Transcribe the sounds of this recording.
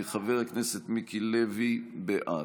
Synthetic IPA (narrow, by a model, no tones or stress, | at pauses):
iχaveʁakneset̪mikilevibeʔa